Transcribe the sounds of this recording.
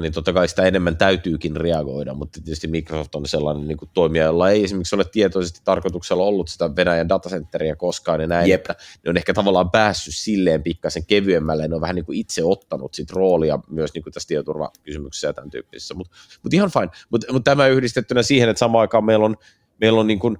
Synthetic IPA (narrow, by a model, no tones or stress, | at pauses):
nint̪ot̪ːɑkɑisi̥t̪æenemːænt̪æyt̪yːkinreɑɡo̰idɑ̰mut̪ːt̪iet̪yst̪imikrosoft̪onselːɑ̰neniːŋkut̪t̪oimiɑjolːɑeiesimerksolet̪t̪iet̪oisest̪i̥t̪ɑrkot̪ukselːɑolːut̪si̥t̪æʋenæjændɑt̪ɑsent̪ːeriækoskɑːnenæiet̪ːæneonehkæt̪ɑʋɑlːˑɑːmpæːsːyssilːeːmpikːɑseŋkeʋyemːælːæjneoʋæhæniːŋkuit̪seot̪ːɑnṵt̪sit̪roːliɑmyøsniːŋkut̪æst̪iet̪t̪urʋɑ̰kysymykse̥sːjɑ̰t̪ænt̪y̰ːpːi̥se̥sːæmut̪ | mut̪ihɑnfɑinmut̪mut̪t̪æmæyhdist̪et̪ːynæsiːhenet̪sɑmɑːɑikɑːmmeilon | meilːonniːŋkun